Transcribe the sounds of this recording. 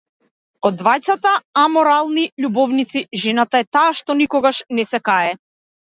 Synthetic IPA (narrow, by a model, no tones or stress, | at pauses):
ɔd̪ːvajt̪sat̪aamɔɾalˠniʎubɔvnit̪siʒɛnat̪aɛt̪aːʃt̪ɔnikɔɡaʃnɛsɛkaɛ